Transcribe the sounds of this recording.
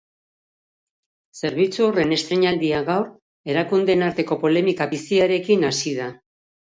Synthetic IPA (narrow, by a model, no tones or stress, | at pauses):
se̞ɾβ̞it͡suo̞re̞ne̞st̪ɾeɲald̪iaɣawɾ | e̞ɾakund̪enaɾt̪e̞ko̞po̞le̞mikaβisiaɾe̞kinasið̞a